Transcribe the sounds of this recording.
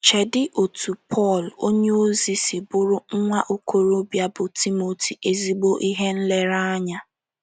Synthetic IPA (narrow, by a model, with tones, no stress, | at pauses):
t͡ʃe˨dɪ˦ʔo˨tʰu˨pʰɔ˦˨lo˦ɲe˦o˦zi˨sɪ˨bʊ˦ɾʊ˦ŋ̩˦ŋʷa˦ʔo˦kʰo˨ɾo˦bja˦bʊ˨tʰi˦mo˨tʰi˨e˨zi˦ɡ͡bo˦ʔi˦ɦe˦n̩˦le˦ɾa˦a˦ɲa˦